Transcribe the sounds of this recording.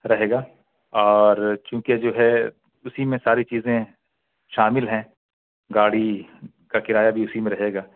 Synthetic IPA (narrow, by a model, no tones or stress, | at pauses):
ɾɐɦeːɡaː | ɔːɾt͡ʃũːked͡ʒoːɦɛ | ʊsimẽsaːɾit͡ʃiːzẽ | ʃaːmɪlɦɛ̃ | ɡaːɽi | kakɪɾaːjabʱiʊsimẽɾɐɦeːɡaː